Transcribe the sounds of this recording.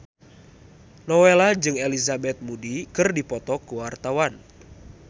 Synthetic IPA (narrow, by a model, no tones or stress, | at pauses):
nɔwelad͡ʒɨŋelizabɛt̪̚mudikɨrdipɔt̪ɔkuwart̪awan